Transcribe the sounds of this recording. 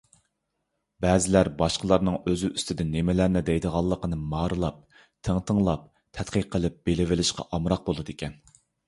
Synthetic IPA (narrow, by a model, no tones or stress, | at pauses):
bɛːzɪlæɾbɑʃqəlˠɑɾnɨŋøzyyst̪ʰɪd̪ɪnːemɪlæɾnɪd̪ɛjd̪əʁɑlˠːəqənɨmɑːɾɨlˠɑp̚ | t̪ʰəŋt̪ʰəŋlˠɑp̚ | t̪ʰɛt̪qəqʰːəlˠɨp̚b̥elɪvɪlɪʃqɑ̰ʔɑmɾɑq̚bolˠɨd̪ekʲɛn